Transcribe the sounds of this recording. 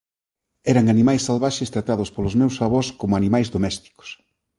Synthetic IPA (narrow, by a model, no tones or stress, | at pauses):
ɛɾɐŋanimajsːalβaʃest̪ɾat̪að̞ʊspolʊzmewsaβoɾskomʊanimajzðomɛst̪i̥ko̥s